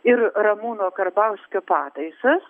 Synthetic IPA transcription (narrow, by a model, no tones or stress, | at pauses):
ɪɾɾɐmuːnoːkɐɾbɐʊsʲkʲoːpɑːt̪ɐɪsɐs